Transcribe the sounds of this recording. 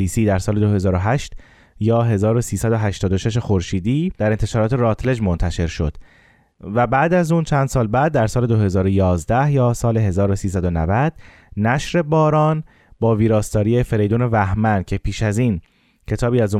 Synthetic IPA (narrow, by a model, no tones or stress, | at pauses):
iːsiːd̪æɾsɒːled̪oɦe̞zɒːɾoɦæʃt̪ | jɒːɦe̞zɒːɾo̞siːsæd̪oɦæʃt̪ɒːd̪oʃe̞ʃ̬e̞xoɾʃiːd̪iːd̪̥æɾe̞nt̪ʰeʃɒːɾɒːt̪ʰeɾɒːt̪ʰle̞d͡ʒmo̞nt̪ʰæʃe̞ɾʃo̞̰d̪̥ | væbæːd̪æzuːnt͡ʃʰænd̪sɒːlbæːd̪̚ːæɾsɒːle̞d̪oɦe̞zɒːɾojɒːzd̪æhjɒːsɒːle̞ɦe̞zɒːɾo̞siːsæd̪onæ̰væd̪̥ | næʃɾe̞bɒːɾɒːn | bɒːviːɾɒːst̪ɒːɾiefe̞ɾe̞jd̪uːne̞væhmæncʰe̞pʰiːʃæziːn | cʰe̞t̪ʰɒːbiːæzu